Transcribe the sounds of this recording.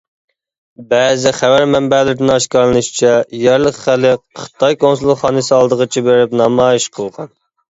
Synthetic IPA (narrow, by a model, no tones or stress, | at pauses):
bɛːzɪχævæɾmɛmbæːlɪd̪ɪnɑʃkɑɾlˠɨnɨʃt͡ʃʰɛjɛɾlˠəχχælɪqχə̥t̪ʰɑjkʰonsulˠχɑːnɨsɨɑlˠd̪əʁət͡ʃʰibeɾɪpnɑmɑːjiʃqʰəlˠʁɑn